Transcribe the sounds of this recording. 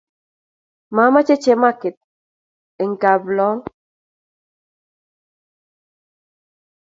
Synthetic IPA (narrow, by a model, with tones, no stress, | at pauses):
ma˨˦ma˦t͡ʃe˦t͡ʃe˦ma˦˨kɪ˨t̚ | e˨ŋ̩˨ka˨blɔ˨˦ŋ